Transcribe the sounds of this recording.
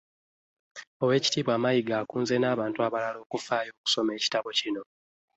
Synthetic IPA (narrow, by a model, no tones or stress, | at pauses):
o̞we̞ːci̥tiːβwaːmajiɡaːkuːnzenaːβaːntuaβalalo̞ːkufaːjo̞ːku̥so̞me̞ːci̥taβo̞cino̞